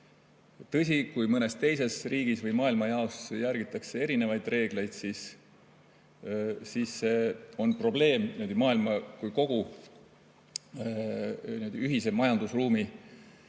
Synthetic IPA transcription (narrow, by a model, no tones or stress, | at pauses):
t̪ɤ̞sʲikujmɤne̞st̪e̞jse̞sriːɡ̥isvɤjmɑːilmɑjɑo̞sjæɾɡ̥it̪ːˑɑksee̞ɾine̞vɑjd̪̥re̞ːɡ̥le̞jd̪̥siːs | siːsːe̞ːo̞npro̞ble̞ːmnimud̪imɑːilmɑkujko̞ɡ̥u | nimud̪iyɦise̞mɑjɑnd̪̥usruːmi